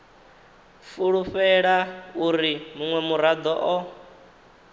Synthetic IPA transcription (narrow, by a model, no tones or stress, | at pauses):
fuɺuɸɛɺauɾimuŋwɛmuɾad̪ɔʔɔ